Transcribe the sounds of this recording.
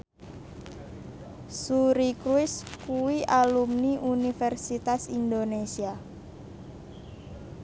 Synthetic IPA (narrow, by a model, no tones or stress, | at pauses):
suɾikɾuɪskuwiʔalumniʔunifɛrsit̪asind̪onesia